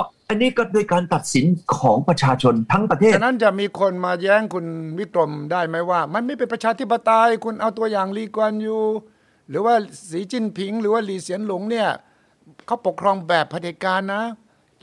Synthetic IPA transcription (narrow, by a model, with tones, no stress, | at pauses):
ʔa˧nːiː˦˥kɔ˥˩doː˧jkaː˧nt̪a˨˩t̪̚si˨˩˦nkʰɔː˩˦ŋpɾa˧t͡ɕʰaː˧t͡ɕʰo˧nt̪ʰa˦˥ŋpɾa˧t̪ʰeː˥˩˨na˦˥˨nt͡ɕa˨˩ʔmiː˧kʰo˧nmaː˧jɛː˦˥ŋkʰu˧nwi˦˥˩t̪ɾo˧mdaː˥˩jma˦˥jwaː˥˩ma˧nma˥˩jpe˧npɾa˧t͡ɕʰaː˧t̪ʰi˥p̬ːa˧t̪a˧jkʰu˧nʔa˧wt̪u˧ɐjaː˨˩ŋliː˧˩kwa˧njuː˨˩ | ɾɯː˩˦waː˥˩siː˩˦t͡ɕi˧˥˩npʰi˨˩˦ŋɾɯː˩˦waː˥˩liː˨˩si˨˩˦ənlo˩˦ŋni˥˩ɐ | kʰa˦˥wpo˨˩kʰːɾɔː˧ŋbɛː˨˩pʰːa˧t̪eː˨˦˩kaː˧nːa˦˥